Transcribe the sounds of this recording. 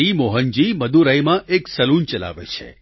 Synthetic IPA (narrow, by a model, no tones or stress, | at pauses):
imoɦənd͡ʒiməd̪uɾəjmãʔeksəlunt͡ʃəla̰ʋḛt͡ʃʰḛ